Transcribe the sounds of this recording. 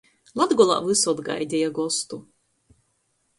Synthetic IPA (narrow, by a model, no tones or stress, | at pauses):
lˠad̪ɡɔlˠa̰vɨsɔd̪ɡa̰jd̪ʲɛjaɡɔst̪u